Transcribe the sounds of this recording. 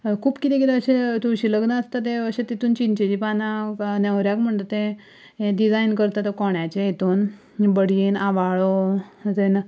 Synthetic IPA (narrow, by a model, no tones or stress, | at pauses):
kʰuːpkit̪ẽkit̪eəɕet̪uɕiləɡnəːst̪at̪̬eəɕẽt̪it̪uːnt͡ɕint͡ɕed͡ʑipananeʋɾjakm̤əɳt̪ot̪ẽ | ɖid͡zajnkəɾt̪at̪əkɔɳjat͡ɕeet̪oːn | bəɽjinaʋaɭot̪en